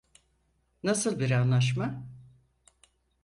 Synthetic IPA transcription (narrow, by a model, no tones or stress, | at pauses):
nasɯlˠbiɾanlˠaʃ̬ma